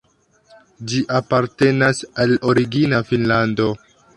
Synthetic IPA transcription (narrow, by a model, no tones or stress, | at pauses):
d͡ʒiʔapaɾte̞nasalo̞ɾiɡinafinlando̞